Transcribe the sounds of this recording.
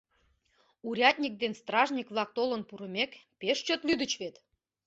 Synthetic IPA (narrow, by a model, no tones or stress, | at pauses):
uɾʲɑt̪ʲnʲik̚d̪enst̪rɑʒnʲikβlɑk̚t̪olənpuɾə̆mekpeʃt͡ɕøt̪lyd̪ət͡ɕβet̪